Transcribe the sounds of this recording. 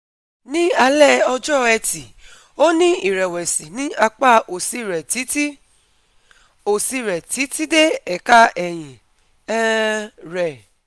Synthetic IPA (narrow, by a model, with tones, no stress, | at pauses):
nĩ˦a˧lɛ˦ɔ˧d͡ʒɔ˦ɛ˧ti˨ | o˦nĩ˦i˨ɾɛ˨wɛ˨si˨nĩ˦a˧k͡pa˦˨ʔo˨si˧˦ɾɛ˨ti˨˦ti˦ | o˨si˧ɾɛ˨ti˨˦ti˦de˦ɛ˨ka˦ɛ˨j̃ĩ˨ | ɛ˦ɾɛ˨